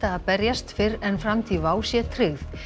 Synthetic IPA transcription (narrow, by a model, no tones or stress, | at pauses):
t̪aːðpɛɾjast̪fɪɾɛnfɾamt̪ʰivaːwsjɛt̪ʰɾʏɣθ